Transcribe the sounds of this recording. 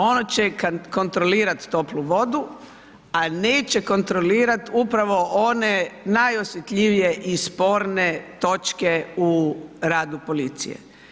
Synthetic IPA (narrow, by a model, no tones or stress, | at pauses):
o̞not͡ɕekko̞nt̪ɾoliːɾat̪ːo̞pluʋo̞d̪u | ane̞ːt͡ɕe̞ko̞nt̪ɾo̞liːɾat̪upɾaʋo̞ʔonenajosjet̪ʎʲiʋijeʔispo̞ɾnet̪o̞t͡ʃke̞uɾaːd̪upo̞lit̪sḭjḛ